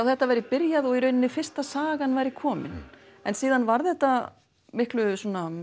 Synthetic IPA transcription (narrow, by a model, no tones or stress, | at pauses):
awθɛht̪ːavajɾɪpɪɾjaðɔɣiɾœɥnɪnːɪfɪr̥st̪asaːɣanvajɾɪkʰɔːmɪ̰n | ɛnsiːðanvaɾθɛht̪ːa | mɪhklʏsɔːna